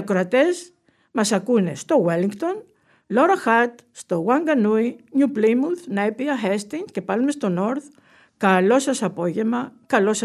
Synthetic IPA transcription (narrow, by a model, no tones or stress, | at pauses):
akɾat̪es | masakunest̪oweliŋkt̪on | loɾaxat̪ | st̪owaŋɡanuiɲuplimulθnaepiaɦest̪iŋkepalmest̪onoɾθ | kalosasapoʝemakalosa